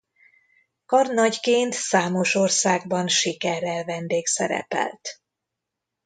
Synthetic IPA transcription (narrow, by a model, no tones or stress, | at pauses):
kɒrnɒɟkeːnt̪saːmo̞ʃo̞rsaːɡ̚bɒnʃikɛrːɛlvɛnd̪eːksɛ̰ɾɛ̰pɛ̰lt̪